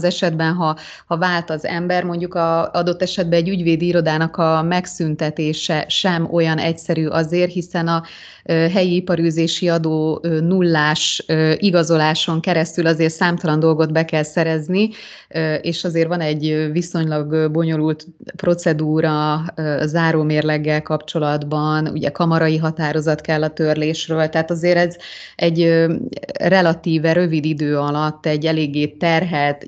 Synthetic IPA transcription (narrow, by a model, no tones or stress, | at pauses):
zɛʃɛd̪bɛnɦɒ | hɒvaːlt̪ɒzɛ̰mbɛrmo̞ɲɟukɒɒd̪o̞t̪ːɛʃɛd̪̚bɛːɟːyɟveːd̪iiɾo̞d̪aːnɒkɒmɛksynt̪ɛt̪eːʃɛʃɛmo̞jɒnɛcsɛɾyːʔɒzeːrɦisɛnɒ | ɦɛjiipɒɾyːzeːʃiɒd̪oːønulːaːʃiɡɒzo̞laːʃo̞ŋkɛɾɛst̪ylɒzeːrt̪saːmt̪ɒlɒnd̪o̞lɡo̞d̪bɛkɛlsɛɾɛzni | eːʃɒzeːrvɒnɛɟːviso̞ɲlɒɡbo̞ɲo̞lult̪pro̞t̪sɛd̪uːɾɒ | zaːɾoːmeːrlɛɡːɛlkɒpt͡ʃo̞lɒd̪bɒnṵɟɛ̰kɒmɒɾɒiɦɒt̪aːɾo̞zɒt̪kɛlːɒt̪ørleːʃrøːlt̪ɛɦaːt̪ɒzeːɾɛz | ɛɟø | rɛlɒt̪iːvɛɾø̞vid̪id̪øːɒlɒt̪ːɛɟːɛleːɡːeːt̪ːɛrɦɛt̪